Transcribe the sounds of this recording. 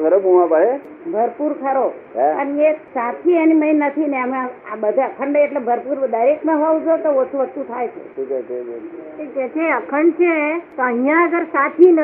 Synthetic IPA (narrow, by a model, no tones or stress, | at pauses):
ɡʱəɾobuʋãpəɽe | bʱəɾpuɾkʰəɾo | ənieksat̪ʰieniməinnət̪ʰineəmẽabəd̪ʱãkʰəɳɖeʈlebʱəɾpuɾd̪ʱəɾekmãɦoʋd͡ʒot̪oʋəst̪uʋəst̪ut̪ʰajt͡ʃʰḛũt͡ʃet͡ʃed͡ʒe | ed͡ʒet̪ʰeəkʰəɳɖt͡ʃʰet̪oəɦijãəɡəɾsat̪ʰin